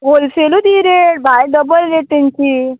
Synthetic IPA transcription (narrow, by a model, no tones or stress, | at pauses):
ɦolselud̪iɾeʈ̚bʱajɖəbəlːeʈint͡ɕi